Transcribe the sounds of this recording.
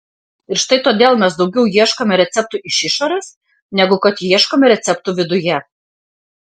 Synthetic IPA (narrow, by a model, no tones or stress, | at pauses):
ɪɾʃt̪ɐɪt̪oːd̪ʲeːlˠmʲɛsd̪ɒʊɡʲɛʊjiɛʃkomʲɛɾʲɛt̪sʲɛp̚t̪ʊʔɪʃɪʃoːɾʲeːs | nʲɛɡʊkɐt̪jiɛʃkoːmʲɛɾʲɛt̪sʲɛp̚t̪ʊʋʲɪd̪ʊjɛ